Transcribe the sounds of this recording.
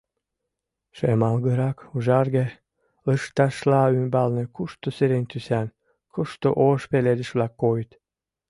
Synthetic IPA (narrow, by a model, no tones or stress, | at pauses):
ʃemɑlɣəɾɑkuʒɑrɣe | ləʃt̪ɑʃlɑymbɑlnĕkuʃt̪oseɾenʲt̪ysæn | kuʃt̪oʔoʃpeled̪ə̆ʃβlɑkːojt̪